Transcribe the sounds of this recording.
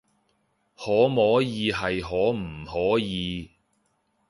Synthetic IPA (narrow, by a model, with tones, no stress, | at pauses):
hɔː˨˥mɔː˨˥jiː˨˧ɦɐ˨jɦɔː˨˥m̩˨˩hɔː˨˥jiː˨˧